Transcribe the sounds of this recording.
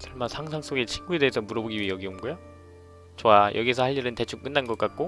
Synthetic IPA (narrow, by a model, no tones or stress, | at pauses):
sʰʌɭmasʰaŋsʰaŋs͈oɡet͡ɕʰinɡuede̞ːsʰʌmuɾʌboɡiɥiejʌɡiomɡojo | t͡ɕoajʔʌɡiesʰʌhaʎːiɾɯnte̞t͡ɕʰuk̚k͈ɯnːanɡʌk͈at̚k͈o